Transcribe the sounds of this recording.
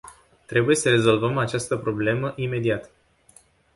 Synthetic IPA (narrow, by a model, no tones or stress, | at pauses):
t̪ɾe̞buje̞səɾe̞zo̞lvəmat͡ʃast̪əpɾo̞ble̞məʔime̞d̪iat̪